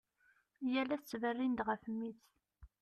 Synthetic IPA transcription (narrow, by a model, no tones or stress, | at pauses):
jælæt͡sːvərːind̪ʁəfəmːiθ